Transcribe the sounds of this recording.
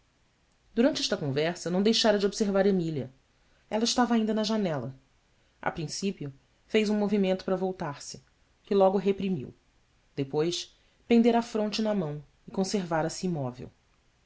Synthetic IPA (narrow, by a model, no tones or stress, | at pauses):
d̪uɾɐ̃nt͡ʃɪɛʃt̪ɐkõvɛɾsɐnɐ̃w̃d̪ejʃaɾɐd͡ʒɪobseɾvaɾemilɐ | ɛlɐɪʃt̪avɐaĩd̪ɐnɐʒanɛlɐ̰ | ɐa̰pɾĩsipiʊ | fejzũmovimẽnt̪ʊ̥pɾɐvowt̪aɾsɪ̥ | kɪlɔɡʊɦepɾimḭw | d̪epojs | pẽnd̪eɾɐafɾõnt͡ʃɪnɐmɐ̃w̃ | ɪkõseɾvaɾɐsɪimɔvḛw